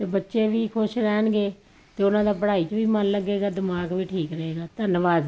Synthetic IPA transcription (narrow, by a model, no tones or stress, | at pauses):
t̪eːbətːʃeːʋiːkʰʊʃɾɛːnɡeː | t̪eːʊnãːd̪aːpəɽaːiːt͡ʃʋiːmənləɡeːɡaːd̪ɪmaːɡʋiːʈʰiːkɾəɦeːɡaːt̪ənʋaːz